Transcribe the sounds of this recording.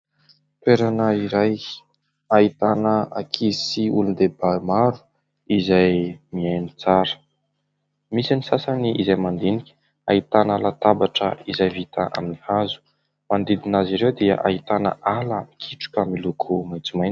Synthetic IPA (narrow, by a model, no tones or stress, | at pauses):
t̪weɾanəiɾaj | ait̪anəakʰisiulund̪ebamaɾu̥ | izajmiajnit͡saɾə̥ | misinisasaniizajmand̪enikʲə̥ | a̰it̪analat̪abaʈ͡ʂə̰izajvit̪aʔa̰minihazu̥ | mand̪id̪inaziɾewd̪ia̰ʔa̰it̪anə̰ʔaləikʰiʈ͡ʂu̥kamilukʰumajt͡sumajn